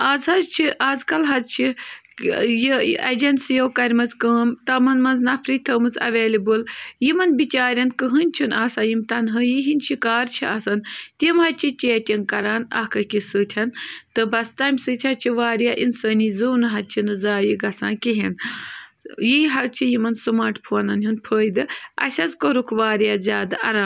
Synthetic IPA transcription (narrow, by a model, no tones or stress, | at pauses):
aːzhɐzt͡ʃʰiʔaːzkɐlɦɐzt͡ʃʰi | jiɐ̰d͡ʒɐnsjowkɐɾʲmɐzkəːmt̪ɐmɐnmɐnznɐpʰɾit̪ʰəːmɨzɐ̰ʋeːlibɨljimɐnbit͡ʃaːɾʲɐnkəɦɨnʲt͡ʃʰunaːsaːjimt̪ɐnɦɨjiɦinʲʃikaːɾt͡ʃʰiɐsɐnt̪imɦɐt͡ʃʰit͡ʃeːtʲɐnkɐɾaːnɐ̰hkɐkʲisɨːt̪ʲʰɐnt̪ɨbɐst̪ɐmʲsɨt̪ʰʲɐt͡ʃʰiʋaːɾjaːʔinsəːnizuːwnɨɦɐt͡ʃʰinɨzaːjiɡɐsã̰ːkeɦin | jiɦɐt͡ʃʰijimɐnsɨmaːʈpʰuɐnɐnɦunpʰəːjd̪ɨɐ̰sʲɐzkoɾukʰʋaːɾijazʲjaːd̪aʔɐɾaːm